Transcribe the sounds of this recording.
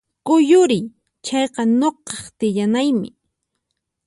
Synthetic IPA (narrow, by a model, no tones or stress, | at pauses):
kʊjʊɾɪj | t͡ʃɑjqɑnoqɑχt̪ɪʎanajmɪ̰